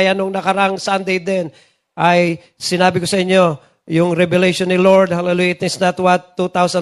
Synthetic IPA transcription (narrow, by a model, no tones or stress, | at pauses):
janʊŋnɐkɐɾaŋsand̪ejd̪ɛn | ʔɐj | sɪnaːbɪkosɐɪɲːo̞ | jʊŋɾɛbɛlejʃonːɪloɹd̪̚halɛlujaɪt̪snat̪wat̪ːut̪awsã